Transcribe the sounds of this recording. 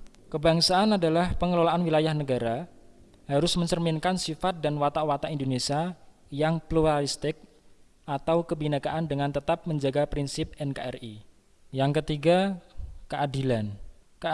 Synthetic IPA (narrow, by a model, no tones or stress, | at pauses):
kəbaŋsaːnadalahpəŋəlolaʔanwilajahnəɡaɾa | haɾʊsməɲt͡ʃərminkansifat̪̚danwat̪awat̪aindonesia | jaŋpluɾalist̪ɪk̚ | ʔat̪awkəbinakaʔandəŋant̪ət̪ap̚məɲd͡ʒaɡapɾinsɪp̚ɛnkaɛ̰ri | jaŋkət̪iɡakəʔadilankə